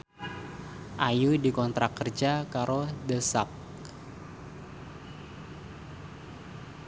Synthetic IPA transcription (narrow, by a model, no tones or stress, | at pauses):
ʔajudikɔnt̪ɾakərd͡ʒakaɾodəsap̚